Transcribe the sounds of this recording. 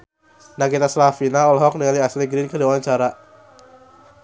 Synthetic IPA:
naɡit̪aslafinaɔlɦɔk̚nəŋaliasniɡɾinkəliwawaɲt͡ʃaɾa

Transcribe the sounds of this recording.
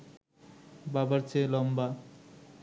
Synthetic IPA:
babaɾt͡ɕʰelɔmba

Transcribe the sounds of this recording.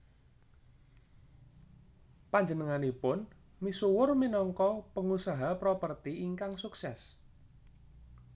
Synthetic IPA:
paɲd͡ʒənəŋanipʊn | misuwʊrminɔŋkɔpəŋusaɦapɾopərt̪iːŋkaŋsuksɛs

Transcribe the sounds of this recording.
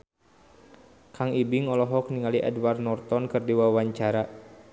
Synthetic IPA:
kʰaŋibiŋɔlɔɦɔk̚niŋaliʔɛ̰dwarnɔrt̪ɔnkɨrdiwawaɲt͡ʃaɾa

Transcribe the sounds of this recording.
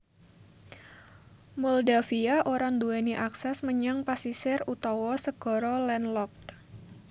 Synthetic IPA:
mɔldafiaʔoɾaŋd̪uɛniʔaksɛsməɲaŋpasisɪrut̪awɔsəɡ̥ɔɾɔlɛnlɔk̪̚

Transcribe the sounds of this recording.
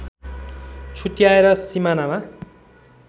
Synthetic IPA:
t͡sʰuʈijaeɾʌsimanama

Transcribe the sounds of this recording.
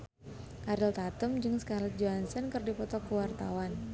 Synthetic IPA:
ʔaɾɪlt̪at̪ʊmd͡ʒɨŋsə̥kalɛd͡ʒoansənkɨrdipɔt̪ɔkuwart̪awan

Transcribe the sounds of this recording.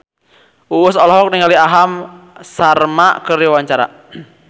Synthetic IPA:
uʊsɔlɔɦɔk̚niŋaliaɦamsarmakəɾiwaɲt͡ʃaɾa̰

